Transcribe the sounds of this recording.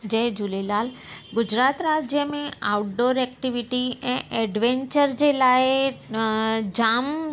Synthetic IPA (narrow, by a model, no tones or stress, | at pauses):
d͡ʒeɦd͡ʒulelaːlɡʊd͡ʑɾaːt̪ɾaːd͡ʑjəmẽaʊʈɖoːɾɛkʈiʋiʈiɛ̃ːʔɛɖʋẽɲt͡ʃəɾd͡ʑelaːe | d͡ʑaːm